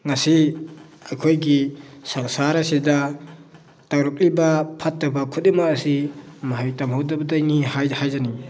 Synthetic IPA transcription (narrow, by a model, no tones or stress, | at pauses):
ŋasi | akʰojɡisaŋsaɾasida | tawɾɐk̚libapʰatːabakʰut̚imaasimaɦajtamhawdabɐdajnihajhajzani